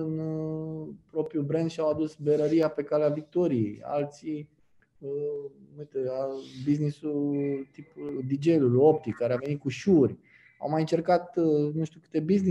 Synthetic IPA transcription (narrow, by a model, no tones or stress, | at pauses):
ɨn | pɾo̞pɾjubɾend̪ʃiawad̪usbeɾəɾiape̞kaleavik̚t̪o̞ɾijeja̰lt̪si | nujt̪eabiznisult̪ipd̪id͡ʒelulo̞p̚t̪ikːaɾeave̞nit̪̚kuʃurʲ | a̰wmajɨnt͡ʃe̞rkat̪nuʃt̪ʲukɨ̥t̪e̞bizni